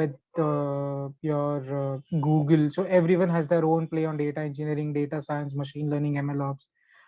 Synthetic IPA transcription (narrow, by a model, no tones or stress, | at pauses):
ʋɪd̪ | jɔːɾɡuːɡəlsoːɛʋɾiʋə̃nɦɛzd̪eɾõːnpleːɔ̃ːnɖeːʈaẽnd͡ʒɪniəɾɪ̃ŋɡɖeːʈasaɪə̃ns̬məʃĩːnləɾnɪ̃ŋɡɛ̃mɛlɔːps